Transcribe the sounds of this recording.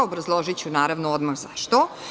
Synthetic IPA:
obɾazlˠoʒit͡ɕunaːɾaʋnood̪maɣzaʃt̪o

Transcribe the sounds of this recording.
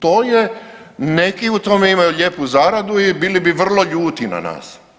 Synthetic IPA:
t̪oːjene̞kiut̪o̞meimajuʎe̞ːpuzaːɾad̪uibiːlibiʋr̩lˠo̞ʎuːt̪ina̰na̰ːs

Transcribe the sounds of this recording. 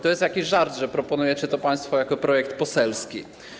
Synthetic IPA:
t̪ɔjɛst̪jakʲiɕʐaɾd̪ʐɛpɾɔpɔnujɛt͡ɕɘt̪ɔpaj̃st̪fɔjakɔpɾɔjɛk̚t̪pɔsɛlskʲḭ

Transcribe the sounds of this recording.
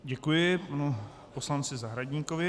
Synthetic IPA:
ɟɛkujɪpanu | poslant͡sɪzaɦɾaɟɲiːkovɪ

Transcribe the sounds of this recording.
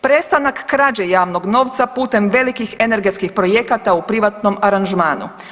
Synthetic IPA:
pɾe̞st̪anakːɾaːd͡ʑejaːʋno̞ɡno̞ːʋt̪sapuːt̪e̞mʋe̞likixe̞ne̞ɾɡe̞t̪skixpɾo̞je̞kat̪aupɾiʋat̪no̞maɾanʒmaːnṵ

